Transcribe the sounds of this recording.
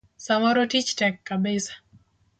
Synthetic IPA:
samɔɾotit͡ʃtɛkːabɪsḁ

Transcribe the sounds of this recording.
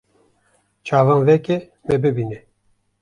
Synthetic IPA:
t͡ʃʰɑːvɑːnvɛkʲɛ | mɛbɨbinɛ

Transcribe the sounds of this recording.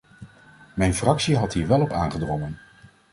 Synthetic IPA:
mɛjnfrɑksiɦɑtɦiːɹʋɛlˠɔpa̰ːnχədrɔŋən

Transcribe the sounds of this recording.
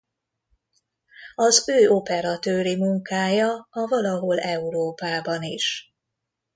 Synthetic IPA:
ɒzøːo̞pɛɾɒt̪øːɾimuŋkaːjɒɒvɒlɒɦo̞lɛuɾoːpaːbɒniʃ

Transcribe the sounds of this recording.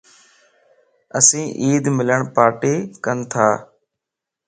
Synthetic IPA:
əsĩːʔiːd̪mɪləɳpaːʈeːkənt̪ʰaː

